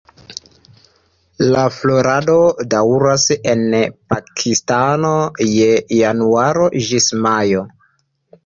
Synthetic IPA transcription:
laflo̞ɾado̞dawɾase̞npakʰistano̞jejanuaɾo̞ʒismajo

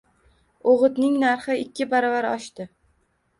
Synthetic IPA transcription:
oʁɨt̪nɪŋnaɾχɪɪkʲʰːɪbaɾɒvaɾɒ̰ʃt̪ɪ

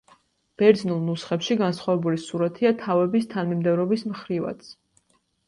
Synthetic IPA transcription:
b̥ɛɾd̪znulˠnusχɛpʃiɡansχavɛbulisuɾat̪ʰiat̪ʰavɛbist̪ʰanmimd̪ɛvɾɔbismχɾiva̰t̪sʰ

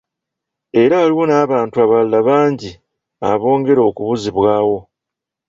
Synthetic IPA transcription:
e̞ɾaːliwo̞naːβaːntuaβalːaβaːɲɟi | a̰βo̞ːŋɡe̞ɾo̞ːkuβuziβwaːwo̞

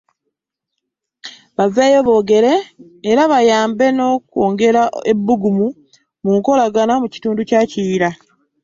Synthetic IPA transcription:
βaveːjoβo̞ːɡe̞ɾe̞ː | ɾaβajaːmbe̞no̞ːkoːŋɡe̞ɾaebːuɡumu | muŋko̞laɡanamuci̥tuːnducaːciːɾa

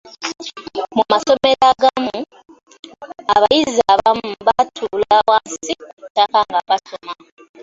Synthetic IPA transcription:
mumaso̞me̞ɾaɡamu | aβajizaβamβatʰulawansikutːakaŋɡaβasoma

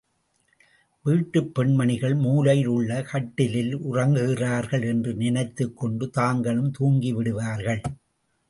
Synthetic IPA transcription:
ʋiːʈːɯpːɛɳmɐɳɪɣɐɭmuːlɐɪlɯɭːɐkɐʈːɪlɪlʊrɐŋɡɯɣɪraːɾɣɐɭɛndrɯnɪnɐɪt̪ːɯkːɔɳɖɯt̪aːŋɡɐɭɯmt̪uːŋɡiʋɪɽɯʋaːɾɣɐɭ

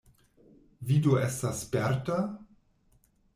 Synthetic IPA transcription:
vidoestaspɛɾta

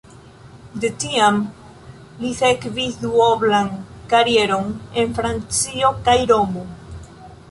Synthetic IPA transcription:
d̪e̞tiam | liθekviduoblaŋkaɾie̞ɾo̞ne̞nfɾant͡sio̞kajɾo̞mo

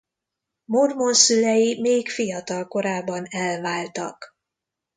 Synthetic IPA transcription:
mormo̞nsylɛjimeːkfijɒt̪ɒlko̞ɾaːbːɒnɛlvaːlt̪ɒ̰k

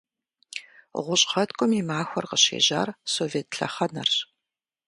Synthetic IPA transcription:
ʁʷʊɕʼqɐtkʷʼʊmiːmaːxʷɔrqəɕḛːʑa̰ːrsoːveːtʰɬɐ̰χɐnɐrɕ

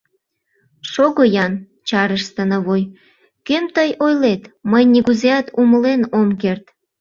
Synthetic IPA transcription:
ʃoɣojɑn | t͡ɕɑɾəʃt̪ənəβoj | kømt̪əjojlet̪məjniɣuzeɑt̪uməlenomkert̪

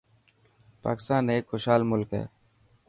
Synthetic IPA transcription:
pa̰ːkɪ̥st̪aːneːkxʊʃɦaːlmʊlkɦɛ̰ː

